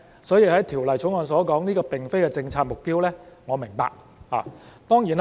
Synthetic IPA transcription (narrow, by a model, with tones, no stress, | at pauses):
sɔː˨˥jiː˧hɐ˨˥jt̪ʰiː˨˩wlɐ˨˩jt͡ʃʰʊ˨˥ŋɔː˨˧nsɔː˨˥kɔː˨˥ŋniː˥kɔː˧p̪ɪ˨ŋfe˥jkɛː˧t͡sɪ˧ŋt͡sʰaː˧t̚mʊ˨k̚piː˥wlɛː˥ŋɔː˨˧mɪ˨˩ŋpa̰ː˧k̚ | ha̰ː˨˩t̪ɔː˥ŋjiː˨˩n